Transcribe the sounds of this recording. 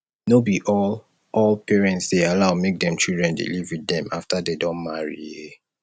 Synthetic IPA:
nobiʔɔ | ɔlpʰɛɹɛ̃ntsdealaʊmek̚dɛ̃mt͡ʃildɹɛ̃ndḭlivwidɛ̃maftadedɔ̃nmaɹḭe

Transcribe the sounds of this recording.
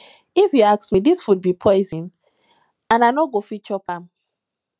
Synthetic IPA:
ifjiaksmidiswud̚bipʰɔɪzĩn | ãnaɪnɔɡofit͡ʃɔpãm

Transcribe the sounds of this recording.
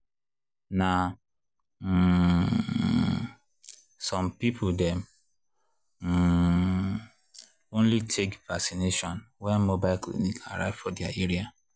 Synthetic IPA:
na | sɔ̃mpipʰʊdɛm | õnlitʰekvasineʃɔ̃nwɛnmobaɪlklḭnikʰa̰ɾa̰ɪvfɔdia̰eɾia

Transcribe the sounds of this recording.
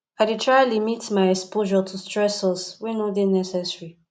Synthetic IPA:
ajditʰɹajlimitmajɛkspoʒɔtʰustɹɛsɔswinodenɛsɛsɹi

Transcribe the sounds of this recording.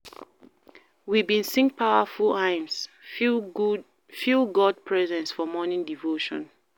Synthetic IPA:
wibĩnsĩŋ̚pʰaʊafulãɪ̃ms | filɡɔd̚pʰɹɛzɛ̃nsfɔmɔnĩndivoʃɔ̰̃n

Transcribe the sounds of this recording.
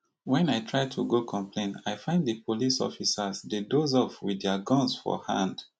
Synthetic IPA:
wɛ̃najtʰɹaɪtʰuɡokʰɔ̃mpʰlẽnaɪfãɪ̃nddəpʰolisɔ̰fisazdedozɔfwidɛəɡɔ̃nsfɔ̰hã̰nd

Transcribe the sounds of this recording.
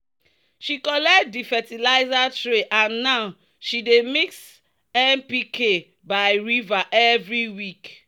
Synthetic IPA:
ʃikɔlɛkt̚difɛtilaɪzatɹeʔãnːaʊ | ʃidemiks | ɛnpikʰe | baɪɹivaʔɛvɹiwik

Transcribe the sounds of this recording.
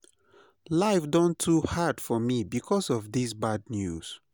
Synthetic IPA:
laɪfdɔ̃ntʰuhad̥fɔmibikʰɔsɔvðisbad̚njuz̥

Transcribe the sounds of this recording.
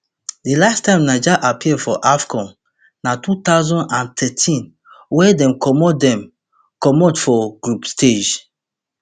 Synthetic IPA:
delastãɪ̃mnad͡ʒaʔapʰiɛfɔʔafkɔ̃n | natut̪aʊzɔ̃nãntʰɛtʰĩn | wɛdɛ̃mkʰɔmɔdɛ̃m | kɔmɔtfɔɡɹupstʰed͡ʒ

